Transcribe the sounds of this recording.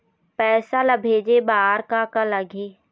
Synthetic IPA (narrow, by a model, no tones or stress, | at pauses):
pɛːsaləbʱeːd͡ʒebaːɾkakaləɡʱeː